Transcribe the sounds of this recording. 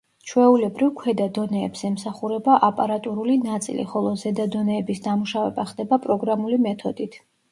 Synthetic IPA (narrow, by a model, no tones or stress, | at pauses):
t͡ʃʰwɛulɛbɾivkʰwɛd̪ad̪ɔnɛːbz̥ɛmsaχuɾɛbaʔapʼaɾat̪ʼuɾulinat̪sʼḭlḭχɔlˠɔzɛd̪ad̪ɔnɛːbisd̪amuʃavɛ̰baχd̪ɛbapʼɾɔɡɾamulimɛt̪ʰɔd̪it̪ʰ